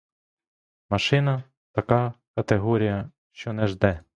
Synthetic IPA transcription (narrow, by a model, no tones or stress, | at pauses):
mɐʃɪnɐ | t̪ɐkɑkɐt̪eɦɔɾʲijɐ | ʃt͡ʃɔnɛʒd̪ɛ